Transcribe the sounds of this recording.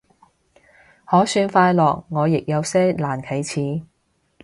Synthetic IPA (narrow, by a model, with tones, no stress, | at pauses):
hɔː˨˥syː˧nfaː˧jlɔː˨k̚ŋɔː˨˧jɪ˨k̚jɐ˨˧wsɛː˥laː˨˩nkʰe˨˩jt͡sʰiː˨˥